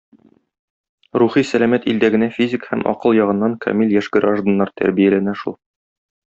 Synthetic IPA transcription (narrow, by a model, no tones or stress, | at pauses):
ɾuχisælæmæt̪ild̪æɡɘ̆næfʲizʲɪkhæmʔɒ̰qɤlˠjɒʁɤ̆nːɑŋkʰɒ̰milʲjæʃɡɘɾaʒd̪ŏnːɑɾt̪ʰæ̰ɾbijælænæʃulˠ